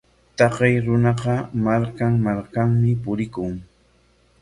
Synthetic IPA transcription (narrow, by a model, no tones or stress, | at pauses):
t̪ɑqɑjɾʊnɑqɑmaɾkaŋmaɾkaŋmɪpʊɾɪkʊŋ